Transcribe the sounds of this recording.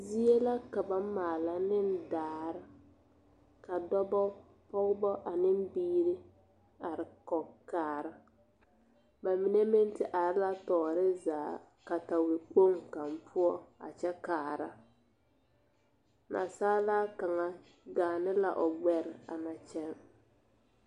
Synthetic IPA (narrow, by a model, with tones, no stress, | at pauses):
zi˦e˦la˦ka˨ba˨˦maː˨la˨nɪ˦n˦daː˨˦˨ɾɪ˦ | ka˨dɔ˦bɔ˦ | pɔ˦ɡbɔ˦ʔa˨nɪ˦m˦biː˦ɾɪ˦ | a˨ɾɪ˨kɔ˨kaː˨ɾa˦ | ba˨mi˨ne˦mɪ˦n˦tɪ˨ʔa˨ɾɪ˦la˦tɔː˨ɾɪ˦zaː˨ | ka˨ta˨we˨k͡po˦ŋka˨mpʰʊ˦ɔ˦a̰˨t͡ʃɛ˦kaː˨ɾa̰˦ | nʔa̰˨saː˦la˦ka˨ŋa˨ | ɡaː˨nɪ˦la̰˨ʔɔ˨ɡ͡bɛ˨ɾɪ˨a̰˨na˨t͡ʃɛ˦m